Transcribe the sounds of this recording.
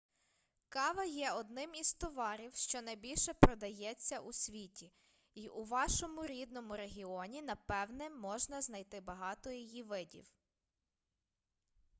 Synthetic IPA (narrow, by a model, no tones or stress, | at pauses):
kɑʋɐjɛɔd̪nɪmiz̥t̪ɔʋɑɾʲiwʃt͡ʃɔnɐjbʲilʲʃɛpɾɔd̪ɐjɛt͡sʲːɐʔusʲʋʲitʲi | iʔuʋɑʃɔmʊɾʲid̪nɔmʊɾeɦʲiɔnʲinɐpɛwnɛmɔʒnɐznɐjt̪ɪbɐɦɑt̪ɔjijiʋɪdʲḭw